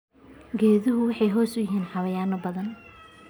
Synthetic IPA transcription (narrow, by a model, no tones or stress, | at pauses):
ɡɛːðɪɦʊwɑħɑjɦɔːsʊjɪɦiːnħɑβɐjaːnɐbɐðɐn